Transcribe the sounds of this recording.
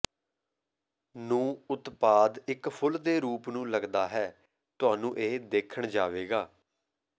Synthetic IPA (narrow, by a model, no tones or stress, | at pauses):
nũːʊt̪paːd̪ɪkpʰʊld̪eːɾuːpnũːləɡd̪aːɦɛː | t̪ʊaːnũːʔeːd̪eːkʰəɳd͡ʒaːʋeːɡaː